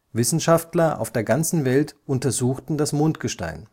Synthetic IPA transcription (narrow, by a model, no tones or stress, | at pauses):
vɪsn̩ʃaftlɐʔa̰ʊfd̥eːɐɡant͡sn̩vɛltʔʊntɐzuːxtn̩dasmoːntɡ̥əʃta̰ɪn